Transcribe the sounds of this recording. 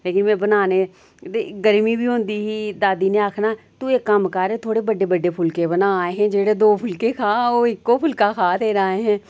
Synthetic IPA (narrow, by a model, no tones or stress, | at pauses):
leːkɪnmɛ̃ːbənaːneː | t̪eɡəɾmiːbʱiːɦʊ̃ːnd̪iːɦiːd̪aːd̪iːneːaːkʰnaːt̪ueːkːəmkaːɾeːt̪ʰoːɽeːbəɖeːbəɖeːpʰʊlkeːbənaːaːeːɦɛ̃ːd͡ʒeːɽeːd̪oːpʰʊlkeːkʰaːoːɪkːoːpʰʊlkaːkʰaːt̪eːɾaːeːɦɛ̃ː